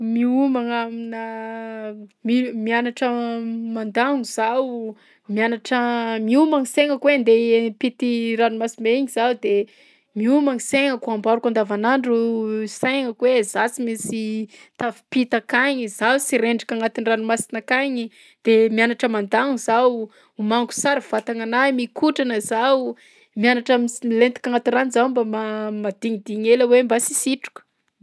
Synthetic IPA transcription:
miumaŋaminə | mimianaʈ͡ʂəmand̪aŋuz̥aw | mianaʈ͡ʂəmiumaŋseŋəkwend̪epit̪iranumasimeiɲizawd̪e | miumaŋiseŋəkuambaɾukand̪avanaɳɖ͡ʐuseŋəkwezasimisit̪avi̥pit̪akaɲizawsiɾeɳɖ͡ʐikʲaŋat̪inranumasinakaɲi | d̪̥emianaʈ͡ʂəmand̪aŋzaw | umaŋku̥saɾiv̥at̪aŋanajmikʰuʈ͡ʂanəzaw | mianaʈ͡ʂamilent̪ikaŋat̪iranizawmbamamad̪̥iɲid̪iɲeləwembasisiʈ͡ʂu̥kə̥

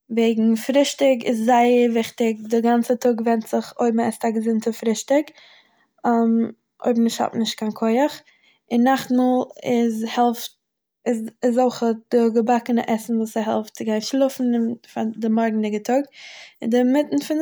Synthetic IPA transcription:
veɪɡŋ̩fɾɪʃtɪɡɪ̰szaɪəvɪχtɪk̚dɪɡant͡sətʰʊɡvɛntz̥ɪχoɪbm̩ɛstaɡəzɪntəfɾɪʃtɪk | am | ʔo̰ɪbmnɪʃthɔ̰tnɪʃt̚kʰaɪnkʰɔɪəχ | ɪnːaχtmulˠɪzhɛlˠft̚ | ɪsɪzɔlχəd̥ɪɡəbakənə̰ʔɛsn̩vuːsəɦɛ̰lˠftt͡sɪɡaɪnʃlˠʊfn̩ɪnfadɪmɔɾɡn̩tɪɡətʰʊɡɪndɪmɪtn̩fɪn

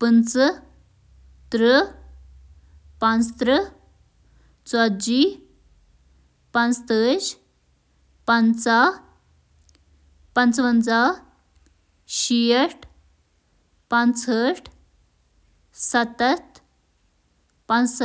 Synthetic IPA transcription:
pənt͡sə | t̪ɾə | pãnt͡st̪ɾə | t͡swad̪d͡ʑi | pãnt͡st̪əɕ | pant͡sa | pant͡sʋənt͡sa | ɕiəʈʰ | pãnt͡səʈʰ | sat̪ət̪ | pant͡ssə

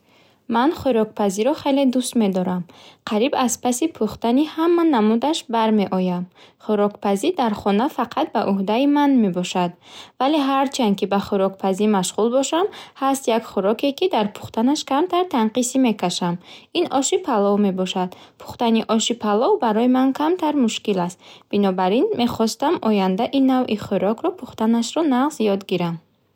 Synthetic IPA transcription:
manχuɾɔk̚pʰaziɾɔχe̞jle̞d̪ust̪me̞d̪ɔɾamqʰaɾibazpʰasipʰuχt̪anihamːanamud̪aʃbaɾme̞ʔɔjamχuɾɔkpʰazid̪aɾχɔnafaqʰat̪̚baʔuɦd̪aimanme̞bɔʃad̪vale̞ɦaɾt͡ʃʰankibaχuɾɔkpʰazimaʃʁulbɔʃamhast̪jakχuɾɔke̞kid̪aɾpʰu̥χt̪anaʃkamt̪aɾt̪ʰanqisime̞kʰaʃaminɔʃipʰalɔvme̞bɔʃad̪̥pʰu̥χt̪aniʔɔʃipʰalɔvbaɾɔjimankʰamt̪ʰaɾmuʃkilast̪b̥inɔbaɾinme̞χɔst̪amɔjand̪aʔinːavʔiχuɾɔkʰɾɔpʰuχt̪anaʃɾɔnaʁzjɔd̪ɡiɾam

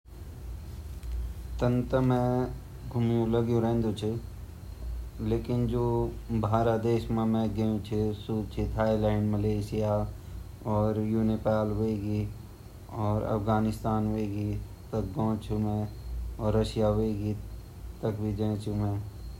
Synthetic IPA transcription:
t̪ə̃nt̪əmẽ | ɡʱʊmjũləɡjũɾẽːnd̪ut͡ʃʰi | leːkɪnd͡ʒoːbʱaːɾad̪eːʃmẽmẽɡeũt͡ʃʰisuːt͡ʃʰit̪ʰaːilɛ̃ːɳɖməleːʃɪja | ɔːɾjuːnepaːlɦoeɡi | ɔːɾɐ̰fɡaːnɪst̪aːnɦoeɡi | t̪ək̚ɡɔ̃ːt͡ʃʰumẽɔːɾːəʃijaɦeɡi | t̪əkbʱid͡ʒẽːt͡ʃʰumẽ

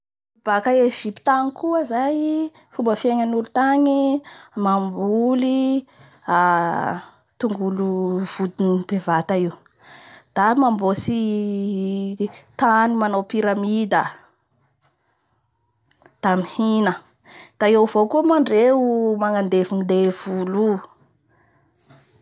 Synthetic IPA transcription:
b̥akaeʒipi̥t̪aŋikuəzaj | fumbəfieɲanulut̪aɲimambuli | a | t̪uŋɡuluv̥ud̪inipevat̪aiw | d̪̥amambosi | t̪animanawpiɾamid̪ə | d̪̥amihinə | d̪̥aewvokumaɳɖ͡ʐeumaŋand̪evinid̪ev̥ulu

